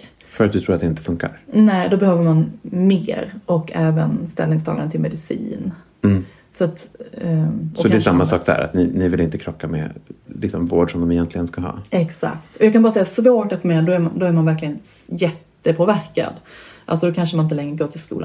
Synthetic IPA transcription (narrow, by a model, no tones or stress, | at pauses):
fœɾat̪d̪ɵt̪ʰɾuːɾat̪d̪ɛɪnt̪ə̥fɵŋka̰ɾnɛːd̪ɔbɛhøːvəɾmanmḛːɾɔkːʰɛːvə̰nst̪ɛ̰lnɪŋst̪ʰɑ̰ːɡaɾənt̪ɪlmɛd̪ɪsḭːn | sɔat̪ | sɔɔd̪ɛʂamːasɑːk̚d̪æ̰ːɾa̰t̪nɪnɪvɪlɪnt̪əkʰɾɔkːamɛ̰lɪksɔmvoːɖʂɔmd̪ɔmɛjɛnt̪lɪɡənskaɦɑ̰ːɛksa̰kt̪ɔjɑːɡkʰanɑːɾasɛjːasvoːʈat̪ːmɛad̪ɔæɾmand̪ɔæɾmanvæɾklɪɡənjɛt̪ːəpʰoːvæɾka̰d̪ʔalsɔd̪ɔkʰanʂəmanɪnt̪əlɛŋːɾəɡoːt̪ʰɪlskṵːla̰n